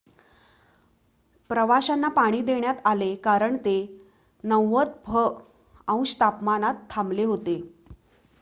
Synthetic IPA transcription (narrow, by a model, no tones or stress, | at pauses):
pɾəʋaɕanːapaɽ̃iːd̪eɳjat̪alekaɾəɳt̪e | nəwːət̪̚bʱə | ə̃w̃ɕt̪apmanat̪ʰːamleɦot̪e